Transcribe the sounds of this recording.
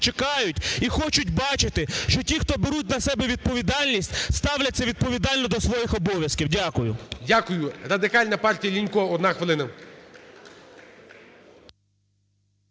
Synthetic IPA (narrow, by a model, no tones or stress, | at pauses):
t͡ʃekɑjʊtʲixɔt͡ʃʊtʲbɑt͡ʃɪt̪ɪʃt͡ʃɔtʲixt̪ɔbeɾut̬̚ʲnɐsɛbɛʋʲid̪̚pɔʋʲid̪ɑlʲnʲisʲtʲst̪ɑwlʲɐt̚ʲsʲɐʋʲid̪̚pɔʋʲid̪ɑlʲnɔd̪ɔsʋɔjixɔbɔʋʲjɐskʲiwdʲakʊjʊ̰dʲakʊjʊɾɐd̪ɪkɑlʲnɐpɑrtʲijɐlʲinʲkɔɔd̪nɑxʋelˠɪnɐ